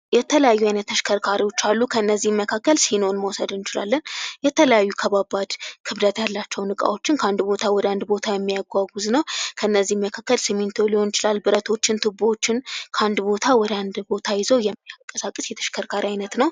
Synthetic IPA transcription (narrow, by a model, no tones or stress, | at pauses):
jɛt̪ʰələjajːuajnət̪ːʰəʃkʰəɾkʰaɾiwo̞t͡ʃːalːukʰəɨnːəzːihməkʰakːəlsinonməwsəd̪ɨnɪt͡ʃɪla̰lːənjɛt̪ʰələjajːukʰəβabad̪kʰɨβd̪ət̪jalːat͡ʃːɛwnɨkʼa̰wo̞t͡ʃːɪnkʰəand̪bo̞t̪ʰawɔd̪əand̪bo̞t̪ʰajɛmːijaɡʷaɡuznəwkʰəɨnːəzːihmːəkʰakːəlsɨmːint̪ʰo̞liho̞njɪt͡ʃɪlalːbɨɾət̪ʰo̞t͡ʃːɪnt̪ʰɨbot͡ʃːɪnkʰəand̪bo̞t̪ʰawɔd̪əand̪bo̞t̪ʰajɪzəwjɛmːiakʼːəsakʼːəsjɛt̪ʰə̥ʃkʰəɾkʰaɾiajnət̪nəw